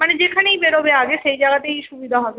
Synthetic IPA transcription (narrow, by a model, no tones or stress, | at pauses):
maned͡ʑekʰaneibeɾobeaɡeʃejd͡ʒaɡat̪eiʃubid̪ʱaɦɔbe